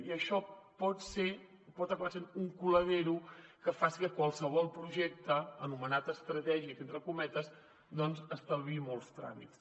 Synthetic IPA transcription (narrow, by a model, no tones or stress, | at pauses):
iəʃɔpɔt̪se | pɔt̪əkβasenuŋkuləðeɾukəfasikəkwalˠsəβ̞ɔlˠpɾuʒɛk̚t̪əənumənat̪əst̪ɾət̪ɛʒikent̪ɾəkumɛt̪əz | d̪ɔnzəst̪əββimolˠst̪ɾa̰mḭt̪s